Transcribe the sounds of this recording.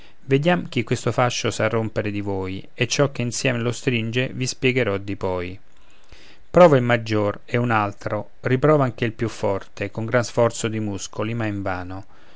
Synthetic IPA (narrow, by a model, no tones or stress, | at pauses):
ved̪jamk̟ikːwest̪ofaʃːosarːompeɾed̪ivoːj | et͡ʃːɔk̟ːeinsjɛːmelost̪ɾind͡ʒevispjɛɡeɾɔd̪ipɔj | pɾɔːvailmad͡ʒːoreunalt̪ɾo | ripɾɔːvaŋk̟eilpjufːɔrt̪ekoŋɡɾansfɔrt̪sod̪imuskʰolimaiɱvaːno